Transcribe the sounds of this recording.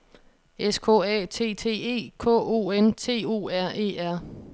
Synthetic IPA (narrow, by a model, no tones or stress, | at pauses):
eskʰɔ̰ːɛ̰ːt͡sʰe̝̰ːt͡sʰe̝̰ːe̝̰ːkʰɔ̰ːo̝ːent͡sʰe̝̰ːo̝̰ːæɐ̰ʔe̝̰ːæɐ̰